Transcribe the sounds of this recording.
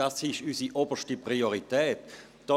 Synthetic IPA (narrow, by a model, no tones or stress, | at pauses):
asɪʃysiʔobəʃtipʁioʁitɛːt | d̥ɔ